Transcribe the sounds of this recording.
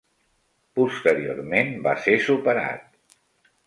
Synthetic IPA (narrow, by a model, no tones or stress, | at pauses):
pust̪əɾio̰rmenbasesupəɾa̰t̪̚